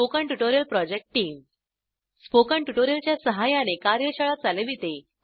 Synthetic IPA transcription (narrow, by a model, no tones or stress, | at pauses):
okəɳʈuʈoɾjəlpɾɔd͡ʑek̚ʈʈiːm | spokaɳʈuʈoɾijəlt͡ɕjasəɦajañekaɾjəɕəɭat̪̚d͡zaleʋit̪e